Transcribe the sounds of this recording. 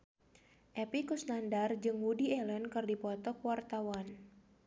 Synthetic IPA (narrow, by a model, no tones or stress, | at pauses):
ʔɛpikusnandard͡ʒɨŋwudiɛlənkɨrdipɔt̪ɔkwart̪awan